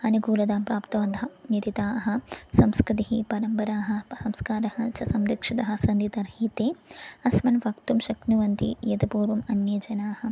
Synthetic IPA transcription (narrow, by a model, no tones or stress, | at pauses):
ɐnuɡuːlɐd̪aːmpɾaːpt̪ɐʋɐd̪ʱɐnɐt̪it̪aːɦɐ̆sɐmskɾɪt̪iɦipɐɾɐmpɐɾaːɦɐ̆sɐmskaːɾɐhɐt͡ʃɐsɐmɾɐkʂɐt̪ɐɦɐsɐnd̪it̪ɐɾhiːt̪eːɐsmɐnʋɐkt̪umʃɐknuʋɐnt̪ḭjɐt̪ɐpuːɾʋɐmɐnjɐd͡ʒɐnaːhɐ̆